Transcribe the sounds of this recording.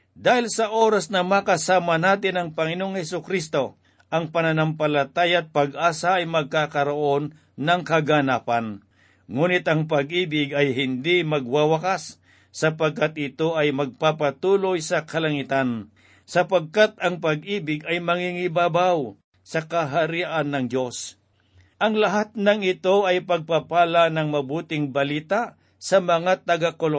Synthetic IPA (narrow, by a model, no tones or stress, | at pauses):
d̪aːhɪlsɐʔoːɾasnɐmakɐsaːmanaːt̪ɪnɐŋpɐŋɪnooŋhɛsʊkɾist̪o̞ | ʔɐŋpɐnɐnɐmpɐlɐt̪aːjat̪̚pɐɡʔaːsaʔɐjmɐɡ̚kakɐɾoʔo̞nː | ɐŋkɐɡanaːpɐn | ŋuːnɪt̪ʔɐŋp̬ɐɡʔiːbɪɡɐjɦɪnd̪imɐɡwawɐkasː | ɐpɐɡ̚kat̪̚ɪt̪o̞ʔɐjmɐɡ̚papat̪uːlojsɐkɐlɐŋit̪an | sɐpɐɡ̚kat̪̚ɐŋpɐɡʔiːbɪɡɐjmɐŋiŋɪbaːbaw | sɐkɐɦɐɾiʔanːɐŋd̪jo̞s | ʔɐŋlɐɦat̪̚nɐŋɪt̪o̞ʔɐjpɐɡ̚papaːlanɐŋmɐbuːt̪ɪŋbɐliːt̪a | sɐmɐŋat̪ɐɡakolo